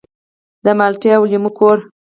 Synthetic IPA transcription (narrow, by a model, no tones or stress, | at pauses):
d̪əmalʈjawlimukoɾ